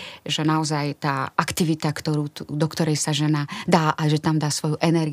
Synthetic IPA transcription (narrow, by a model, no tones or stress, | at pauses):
ʒɛnaɔzajt̪aːʔakt̪iʋit̪akt̪ɔɾuːd̪ɔkt̪ɔɾɛjsaʒɛnad̪aːʔaʒɛt̪amd̪aːsʋɔjuʔɛnɛɾɡ